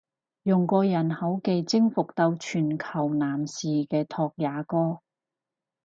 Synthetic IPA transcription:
jʊ˨ŋkʷɔː˧jɐ˨˩nhɐ˨˥wke˨jt͡sɪ˥ŋfʊ˨k̚t̪ɐ˧wt͡ʃʰyː˨˩nkʰɐ˨˩wnaː˨˩msiː˨kɛː˧t̪ʰɔː˧k̚jaː˨˧kɔː˥

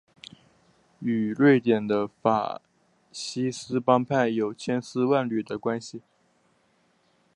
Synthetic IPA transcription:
y˨˩lwe˥˩ɪt̪jɛ˨˩nd̪ə˦fa̰˨˩ | ɕi˥sɹ̩˥pɑ˥ŋpʰa˥˩njo˨˩ʊt͡ɕʰjɛ˥nsɹ̩˥wa˥˧nly˨˩d̪ə˦kwa˥nɕi˨

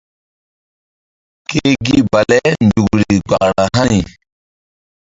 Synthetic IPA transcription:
ke˦ɡi˦ba˨lɛ˦nd͡ʒu˨kɾi˨ɡ͡ba˨ʔɾa˨ɦa˦ni˨

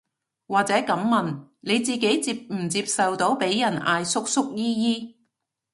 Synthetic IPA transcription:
waː˨k̚t͡sɛː˨˥kɐ˨˥mmːɐ˨nne˨˧jt͡siː˨ke˨˥jt͡siː˧p̚m̩˨˩t͡siː˧p̚sɐ˨wt̪o˨˥wpe˨˥jːɐ˨˩na̰ː˧jsʊ˥k̚sʊ˥k̚jiː˥jiː˥

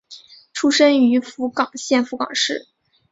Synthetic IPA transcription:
ʈ͡ʂʰu˥ʂə˥ŋy˧˥fu˧˥kɑ˨˩ŋɕjɛ˥˩nfu˧˥kɑ̰˨˩ŋʂɻ̩˥˩

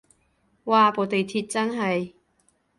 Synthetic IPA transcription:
waː˨˧po˨˥t̪e˨jt̪ʰiː˧t̚t͡sɐ˥nɦɐ˨˩j

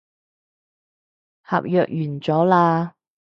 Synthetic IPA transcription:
ha̰ː˨p̚jœː˨k̚jyː˨˩nt͡sɔː˨˥laː˧

